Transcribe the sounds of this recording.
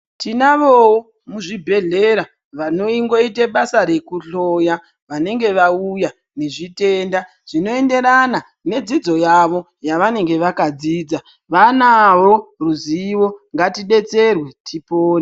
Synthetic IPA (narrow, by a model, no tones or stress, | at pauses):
tinaʋowo | muʐibʱe̞ɮeɾa | ʋano̞iŋɡo̞iteɓasaɾe̞kuɬoja | ʋane̞ŋɡe̞ʋauja | ne̞ʐite̞ːnda | ʐ̥ino̞e̞nde̞ɾana | ne̞d͡zid͡zo̞jaʋo̞ | jaʋane̞ŋɡe̞ʋakad͡ziːd͡za | ʋanaʋo̞ruziʋo̞ŋɡatiɗe̞t͡se̞rwe̞tipoːni